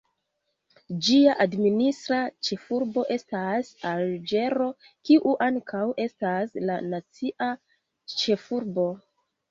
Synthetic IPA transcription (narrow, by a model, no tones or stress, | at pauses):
d͡ʒiaʔadministɾat͡ʃe̞fuɾbo̞ʔe̞stasald͡ʒe̞ɾo̞ | kiʔuʔaŋkʰawʔe̞staslanat͡siʔa | t͡ʃe̞fuɾbo̞